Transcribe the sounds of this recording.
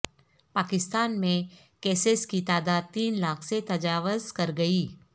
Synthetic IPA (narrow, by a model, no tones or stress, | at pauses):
paːkɪst̪aːnmẽ | kɛːseskit̪aːd̪aːd̪̚t̪iːnlaːkʰset̪ɐd͡ʒaːʋʊzkɐɾɡɐiː